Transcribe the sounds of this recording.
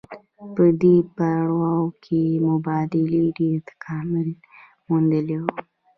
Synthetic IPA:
pəd̪epaɽwɑwkʰemʊbɑd̪ɪliɖeɾt̪ḁkʰɑmɪl | mund̪əlew

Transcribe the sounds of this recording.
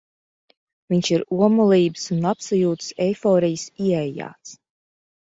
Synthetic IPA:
viɲʃiɾuɔmulˠiːbɨ̥sunapsajuːt̪ɨ̥sɛjfɔːɾijəsiɛɛja̰ːt̪s

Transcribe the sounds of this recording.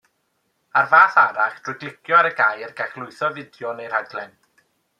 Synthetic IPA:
arvaːθaɾaχd̥rʊjɡlɪkʰjɔaɾəɡaːjrɡaχlˠʊɨθɔvɪdjɔnejr̥haɡlˠɛn

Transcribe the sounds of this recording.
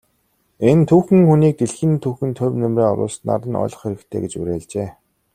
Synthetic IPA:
ent̪ʰuːxɘ̆ŋxuniːk̚t̪eɮxɘ̆nt̪ʰuːxɘ̆nt̪ʰʊwnemreːɔ̰ɾʊ̰ːst̪na̰ɾə̆nɔ̰ɮɞ̆χxeɾɘ̆kt̪ʰḛːɡet͡ɕṵɾeːɮt͡ɕeː

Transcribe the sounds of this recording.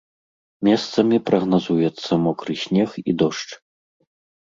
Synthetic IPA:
mʲɛst̪sɐmʲipɾɐɣnazujɛt̪sːɐmɔkɾɨsʲnʲɛxḭd̪ɔʂt͡ʂ

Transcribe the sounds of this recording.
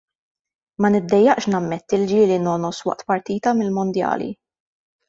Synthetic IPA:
mɐnɪd̪ːɛjːɐʔʃnɐmːɛt̪ːɪld͡ʒɪːlinɔnɔswɐ̰ʔt̪pɐɾt̪iːt̪ɐmɪlmʊnd̪jɐ̰ːlḭ

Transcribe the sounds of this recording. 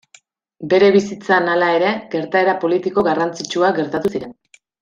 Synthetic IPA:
be̞ɾe̞β̞isit͡sanalae̞ɾe̞ɡe̞ɾt̪ae̞ɾapo̞lit̪iko̞ɣarant͡sit͡ʃuaɣeɾt̪at̪usiɾe̞n

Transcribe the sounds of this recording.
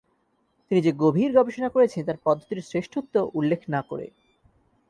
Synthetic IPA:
t̪inid͡ʑeɡobʱiɾɡɔbeʃonakoɾet͡ɕʰent̪̬aɾpɔd̪ʱːot̪iɾsɾeʃʈʰut̪ːoʔulːekʰnako̰ɾḛ

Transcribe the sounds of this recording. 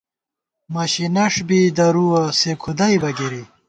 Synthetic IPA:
mɐɕinɐʂbid̪ɐɾuɐsekʰud̪ɐjbɐɡiɾi

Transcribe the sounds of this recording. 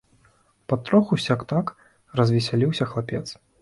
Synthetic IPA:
pɐt̪ːɾɔxusʲakt̪ak | rɐzʲvʲɛsʲalʲiwsʲɐxlˠapʲɛt̪s

